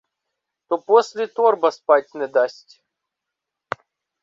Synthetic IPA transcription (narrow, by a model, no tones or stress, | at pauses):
t̪oposʲlʲɪt̪orbɐspatʲnɛd̪asʲtʲ